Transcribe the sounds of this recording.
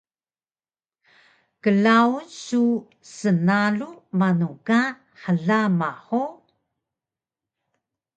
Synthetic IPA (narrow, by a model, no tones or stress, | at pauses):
kəlaunsu | sənalumanuka | ħəɮamaħu